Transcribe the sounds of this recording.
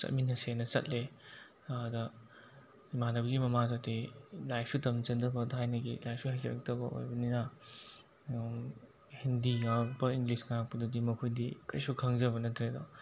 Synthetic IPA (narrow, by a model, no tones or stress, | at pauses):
sɐ̰t̚minɐsenɐt͡ʃɐ̰t̚le | adɐ | imanɐbɐɡimɐmazotilajpʰsutɐmt͡ʃɐndɐbɐdɦajnɐɡilajpʰsuhajzɐ̰ɾɐk̚tɐbɐʔo̰jbɐnina | hindiŋawbɐiŋɡlisŋaapudɐdimɐkʰojdikɐjsukʰɐŋzɐbɐnɐtʰɾedɔ